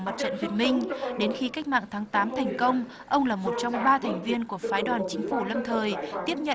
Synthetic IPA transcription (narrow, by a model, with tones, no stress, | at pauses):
mə˨˩t̚t͡ɕə̰˧˨nwi˨˩ənmï˧ŋ̟ɗe˨˦nxi˨˦ka˦˥k̚ma̰ː˧˨ŋt̪ʰaː˨˦ŋt̪aː˨˦mt̪ʰɛ˨˩jŋ̟kə˧wŋ͡m | ʔə˧wŋ͡mlaː˨˩mo˨˩t̚t͡ɕɔ˧wŋ͡mɓaː˧t̪ʰɛ˨˩jŋ̟vi˧ənku˧˩əfaː˨˦jɗwaː˨˩nt͡ɕï˨˦ŋ̟fu˧˩lə˧mt̪ʰəː˨˩jt̪i˦˥əp̚ɲə̰˧˨